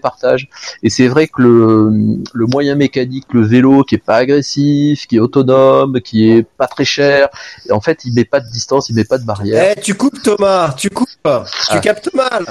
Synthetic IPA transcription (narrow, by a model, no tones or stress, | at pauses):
paʁt̪aʒesɛvʁɛkələmləmwajɛ̃mekanikləvelokʲiɛpaːɡʁesifkʲiɛot̪ɔnɔmkʲiɛpat̪χɛʃɛʁeɑ̃fɛt̪ilmɛpad̪əd̪ist̪ɑ̃silmɛpad̪əbaʁjɛɛt̪ykupt̪ɔmat̪ykupt̪ykʲapt̪əmal